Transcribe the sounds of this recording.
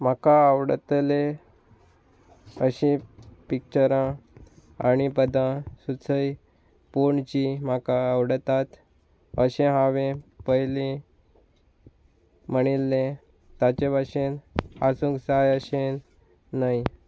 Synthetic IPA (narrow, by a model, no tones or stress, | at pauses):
m̤akaəʋɽət̪le | əɕĩpik̚t͡ɕəɾã | añipəd̪ãsut͡səj | poɳt͡ɕimakaəwɽət̪at̪ | əɕẽɦaʋẽpəjlĩ | məɽ̃ilːẽ | t̪at͡ɕebʱaɕenasũksajəɕe | naj